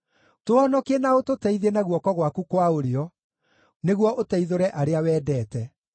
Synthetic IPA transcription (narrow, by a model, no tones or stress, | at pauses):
toɔnɔkenaototɛiðenaɣwɔkɔɣwakukwaoɾeɔ | neɣwɔʔotɛiðoɾɛʔaɾeawɛːdɛːtɛ